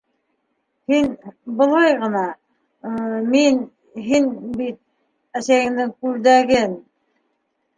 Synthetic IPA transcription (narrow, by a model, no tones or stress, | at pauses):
hinbɤ̆lˠɑjʁɤ̆nɑ | min | ɦinbit̪̚ | æsæjɘ̆md̪ɘŋkʉld̪æɡɘn